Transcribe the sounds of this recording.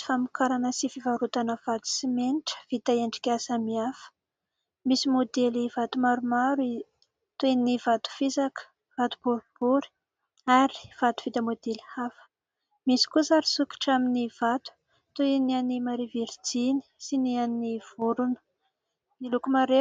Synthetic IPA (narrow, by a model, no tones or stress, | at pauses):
famikaɾanəsifivaɾut̪anəv̥at̪u̥simeniʈ͡ʂə̥v̥it̪aeɳɖ͡ʐi̥kʲasamiafə̥ | misimod̪elivat̪umaɾumaɾui | t̪oininivat̪u̥fizakə̥ | vat̪u̥b̥uɾib̥uɾ̥ | aɾi̥v̥at̪u̥vit̪əmod̪elhafə̥ | misi̥kuzaɾisuki̥ʈ͡ʂaminiv̥at̪u̥ | t̪oinianimaɾiviɾid͡zini̥sinianːiv̥uɾunə̥ | milukumaɾe